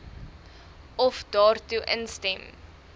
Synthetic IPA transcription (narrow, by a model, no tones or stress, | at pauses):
ɔfdɑːrtuʔənstɛm